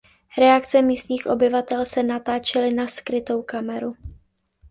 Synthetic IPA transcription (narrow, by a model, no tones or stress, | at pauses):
ɾɛakt͡sɛmiːst̪ɲiːxʔo̞̰bɪvat̪ɛlsɛnat̪aːt͡ʃɛlɪnaskɾɪt̪o̞wkamɛɾu